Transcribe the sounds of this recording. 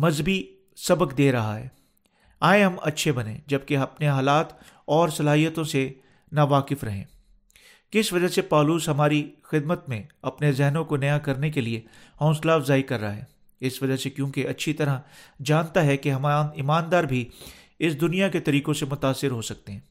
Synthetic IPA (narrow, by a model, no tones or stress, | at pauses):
mɐzbi | sɐbəkd̪eːɾɐɦa̰ɦɛ̰ː | aːẽɦɐmɐtːʃʰebɐnḛ̃d͡ʒɐb̚keɐpneɦaːlaːt̪ | ɔːɾsɐlaːɦijət̪õse | naːʋaːkɪfɾɐɦḛ̃ː | kɪsʋɐd͡ʒasepɔːluːsɦɐmaːɾixɪd̪mət̪mẽɐpnezɛɦnõkonɐjakɐɾnek̬elie | hɔ̃ːslaːfzaːikɐɾːaaɦɛː | ɪsʋɐd͡ʒasekjũːkeɐtːʃʰit̪ɐɾad͡ʒaːnt̪aɦɛkeɦɐmnɪmaːnd̪aːɾbʱi | ɪsd̪ʊnijaket̪ɐɾiːkõsemʊt̪aːsːɪɾɦosɐk̚t̪eɦɛ̃ː